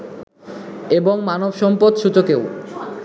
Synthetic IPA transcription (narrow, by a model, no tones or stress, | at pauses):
eboŋmanobʃɔmpod̪ʃut͡ɕokew